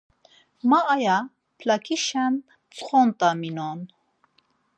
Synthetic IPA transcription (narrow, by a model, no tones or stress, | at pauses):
maʔːja | pʰlakiʃan | t͡sχont̪aminon